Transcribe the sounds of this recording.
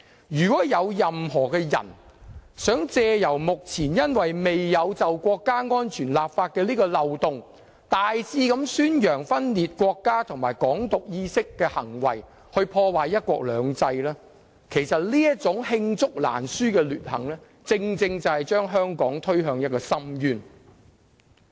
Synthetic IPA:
jyː˨˩kɔː˨˥jɐ˨˧wjɐ˨mhɔː˨˩kɛː˧jɐ̰˨˩nsœː˨˥ŋt͡sɛː˧jɐ˨˩wmʊ˨k̚t͡sʰiː˨˩njɐ˥nwɐ˨jme˨jːɐ˨˧wt͡sɐ˨wkʷɔː˧kːaː˥ŋɔː˥nt͡ʃʰyː˨˩nlaː˨p̚faː˧t̚kɛː˧liː˥kɔː˧lɐ˨wt̪ʊ˨ŋ | t̪aː˨jsiː˧kɐ˨˧˥msyː˥njœː˨˩ŋfɐ˥nliː˨t̚kʷɔː˧kːaː˥t̪ʰʊ˨˩ŋmaː˨˩jkɔː˨˥ŋt̪ʊ˨k̚jiː˧sɪ˥kːɛː˧hɐ̰˨˩ŋwɐ̰˨j | hɵ˧ɥpʰɔː˧waː˨jɐ˥t̚kʷɔ̰ː˧k̚lœː˨˧ŋt͡sɐ˧jlɛː˥ | kʰe˨˩jsɐ˨t̚liː˥jɐ˥t̚t͡sʊ˨˥ŋhɪ˧ŋt͡sʊ˥k̚la̰ː˨˩nsyː˥kɛː˧lyː˨t̚hɐ̰˨˩ŋlɛː˥ | t͡sɪ˧ŋt͡sɪ˧ŋt͡sɐ˨˩whɐ˨jt͡ʃœː˥ŋɦœː˥ŋkɔː˨˥ŋt̪ʰɵ˥ɥɦœː˧ŋjɐ˥t̚kɔː˧sɐ˥mjyː˧n

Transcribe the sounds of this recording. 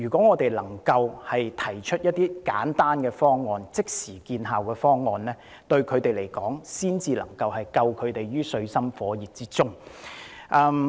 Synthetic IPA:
yː˨˩kʷɔː˨˥ŋɔː˨˧t̪e˨jlɐ˨˩ŋkɐ˧whɐ˨jt̪ʰɐ˨˩jt͡ʃʰɵ˥t̚jɐ˥t̚t̪iː˥ka̰ː˨˥nt̪aː˥nkɛː˧fɔː˥ŋːɔː˨˧nt͡sɪ˥k̚siː˨˩kiː˧nɦaː˨wkɛː˧fɔː˥ŋːɔː˨nlɛː˥ | t̪ɵ˧ɥkʰɵ˨˧ɥt̪e˨jle˨˩jkɔː˨˥ŋsiː˥nt͡siː˧lɐ˨˩ŋkɐ˧whɐ˨jkɐ˧wkʰɵ˨˧t̪e˨jɥyː˥sɵ˧ɥsɐ˥mfɔː˨˥jiː˨˩t̚t͡siː˥t͡sʊ˥ŋ | ʔɐː˧

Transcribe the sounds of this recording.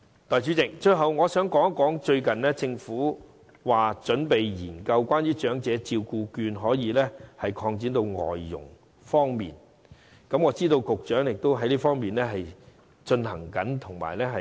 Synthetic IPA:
t̪ɔː˨jt͡ʃy˨˥t͡sɪ˨k̚t͡ʃɵ˧ɥɦɐ˨˧wŋɔː˨˧sœː˨˥ŋkɔː˨˥ŋkɔː˨˥ŋt͡ʃɵ˧ɥkɐ˨nlɛː˥t͡sɪ˧ŋfuː˨˥ | waː˨t͡ʃɵ˨˥npe˨jjḭː˨˩nkɐ˧wkʷaː˥nɥyː˥t͡ʃœː˨˥ŋt͡sɛː˨˥t͡siː˧wkuː˧kyː˧nɦɔː˨˥jiː˨˧lɛː˥hɐ˨jkʰɔː˧ŋt͡siː˨˥nt̪o˧wŋɔ̰ː˨˩jːʊ̰˨˩ŋ | fɔː˥ŋmḭː˨n | kɐ˨˥mŋɔː˨˧t͡siː˥t̪o˧wkʊ˨k̚t͡ʃœː˨˥ŋjɪ˨k̚t̪o˥wɦɐ˨˥jliː˥fɔː˥ŋmiː˨nlɛː˥ɦɐ˨j | t͡ʃɵ˧nɦɐ̰˨˩ŋkɐ˨˥nt̪ʰʊ˨˩ŋma̰ː˨˩jlɛː˥ɦɐ˨

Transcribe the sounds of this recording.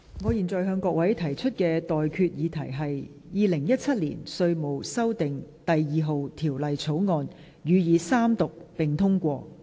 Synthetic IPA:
ŋɔː˨˧jiː˨˩nt͡sɔː˨˧jɦœː˧ŋkɔː˧kwɐ˨˥jt̪ʰɐ˨˩jt͡ʃʰɵ˥t̚kɛː˧t̪ɔː˨jkʰyː˧t̚jiː˨˧t̪ʰɐ˨˩jɦɐ˨j | jiː˨˧lɪ˨˩ŋjɐ˥t̚t͡sʰɐ˥t̚lḭː˨˩nsɵ˧ɥmo˨wsɐ˥wt̪ɪ˨ŋt̪ɐ˨jːiː˨˧ɦo˨wt̪ʰiː˨˩wlɐ˨jt͡sʰo˨˥wŋɔː˧n | jyː˨˧jiː˨˧saː˥mt̪ʊ˨k̚pɪ˨ŋt̪ʰʊ˥ŋkʷɔː˧

